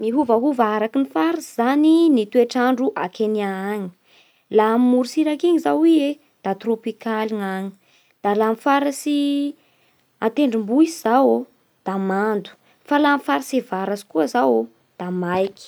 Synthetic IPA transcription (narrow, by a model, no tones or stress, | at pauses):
miɦuvaɦuvaɾakinifaɾizaninit̪ueʈ͡ʂaɳɖ͡ʐuʔa̰keniaaɲi̥ | lamimuɾusiɾakiɲizawie | d̪̥at̪ropikaliŋaŋi̥ | d̪̥alamifaɾasi | at̪eɳɖ͡ʐimbuiz̥awo | d̪̥amand̪u̥ | falamfaɾisevaɾasi̥kuəzawo | d̪̥amajki̥